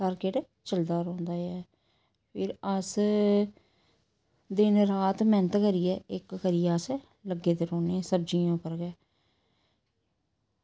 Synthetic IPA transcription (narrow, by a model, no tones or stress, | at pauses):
saːɾkeʈ | t͡ʃəld̪aːɾɔ̃ːnd̪aːɛː | pʰɪɾəs | d̪ɪnɾaːt̪mɛːnət̪kəɾijɛːɪkkəɾɪjaːs | ləɡːeːt̪eːɾoːneːɛːsəbd͡ʒijãːʊpːəɾɡɛː